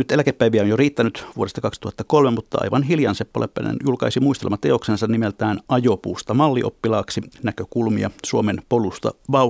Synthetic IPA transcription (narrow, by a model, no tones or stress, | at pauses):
nyt̪elækepːæiʋiæonjoriːt̪ːænyt̪ʋuoɾest̪ɑkɑksi̥t̪uhɑt̪ːɑkolmemut̪ːɑɑ̰iʋɑnhiljɑnsepːo̰lḛpːæ̰nḛnjulkɑisimuist̪elemɑt̪eoksensɑnnimelt̪æːnʔɑjopuːst̪ɑmɑlːiʔo̰pːilɑːksinækøkulmiɑ̰suomenpolust̪ɑ̰ʋɑu